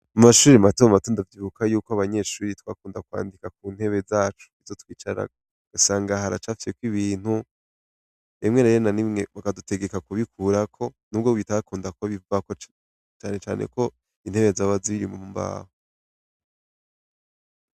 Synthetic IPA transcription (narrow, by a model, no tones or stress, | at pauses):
amaʃuːɾiamatomamatoːndavjiβukʰajuːkoaβaɲe̞ʃuːɾitwa̰ːkuːndakwa̰ːndikak̚uːn̥he̞βe̞zaːt͡ʃu̥izotwiːt͡ʃaɾa̰ | ɡ̥asaːŋɡaɦaɾat͡ʃaːfi̥sekwiβiːn̥hu | emŋe̞neɾenanimŋe̞βakadute̞ɡe̞kakuβikʰuːɾakʰo̞nuːbɡoβitakuːndakoβivuako | t͡ʃaːne̞t͡ʃa̰ːnʔḛko̞ | inhe̞βe̞zaβaziβiɾimomumba̰ːho